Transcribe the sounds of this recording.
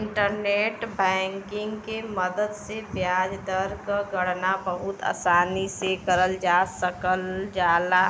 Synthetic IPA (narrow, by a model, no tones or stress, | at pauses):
ɪɳʈəɾneːʈbɛ̃ŋkɪ̃ŋɡkeməd̪əd̪sebjaːd͡ʒd̪əɾkəɡəɽnabəɦʊt̪a̰ːsaːnisekəɾəld͡ʒaːsəkəld͡ʒaːla